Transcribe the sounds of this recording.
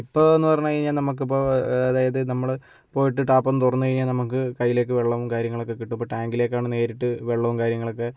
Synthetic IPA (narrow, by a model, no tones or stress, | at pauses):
ipːo̞ːenːɨpɐrɐɲːukɐɻiɲːaːlnɐmuk̬ːɨpːoːɐðaːjɐðɨnɐmːɐɭ | po̞ːjiʈːɨʈaːpːonːɨt̪urɐnːukɐɻiɲːaːlnɐmukːɨkɐjːile̞ːkːɨʋeɭːɐʋumkaːɾjɐŋːɐɭokːekiʈːumbo̞ʈaːŋɡile̞ːkːaːɳɨne̞ːɾiʈːɨʋeɭːɐʋumkaːɾjɐŋːɐɭo̞kːe̞